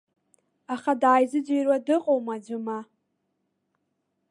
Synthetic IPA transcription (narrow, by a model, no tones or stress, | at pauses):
aχadaːjzɨd͡ʒejrwadɨqʼowmad͡ʒʷʊma